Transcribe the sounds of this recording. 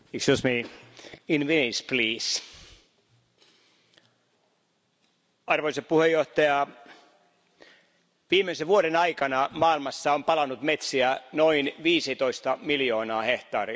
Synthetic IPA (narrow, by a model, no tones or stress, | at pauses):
iksosmi | inʋinispliːs | ɑrʋoiseppuhejːoht̪ɑjɑ | ʋiːmeiseʋuoɾenɑikɑnɑmɑːilmɑsːɑompɑlɑnut̪met̪siænoinʋiːsit̪oist̪ɑmiljoːnɑːheht̪ɑːri